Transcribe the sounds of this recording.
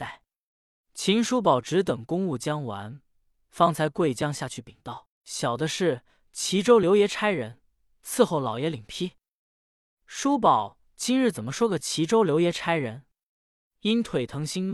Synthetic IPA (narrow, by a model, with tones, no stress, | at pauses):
a˥˩ | t͡ɕʰi˧˥nʂu˥p̬ɑ˨˩ʊʈ͡ʂɻ̩˧˥t̪ɤ˨˩ŋkʊ˥ŋu˥˩t͡ɕjɑ˥ŋwa̰˧˥n | fɑ˥˩ŋt͡sʰa˧˥ɪkwe˥˩ɪt͡ɕjɑ˥ŋɕja˥˧t͡ɕʰy˥˩pi˨˩ŋt̪ɑ˥˩ʊ | ɕjɑ˨˩ʊd̪ə˦ʂɻ̩˥˩ | t͡ɕʰi˧˥ʈ͡ʂo˥ʊljo˧˥ʊjɛ˧˥ʈ͡ʂʰa˥ɪɻə˧˥n | t͡sʰɹ̩˥˧xo˥˩ʊlɑ˨˩ʊjɛ˧˥li˨˩ŋpʰi˥ | ʂu˥p̬ɑ˨˩˦ʊ | t͡ɕi˥nɻɻ̩˥˩t͡sə˨˩nmə˦ʂwɔ˥ɡə˨t͡ɕʰi˧˥ʈ͡ʂo˥ʊljo˧˥ʊjɛ˧˥ʈ͡ʂʰa˥ɪɻə˧˥n | i˥nt̪ʰwe˨˩ɪt̪ʰɤ˧˥ŋɕi˥n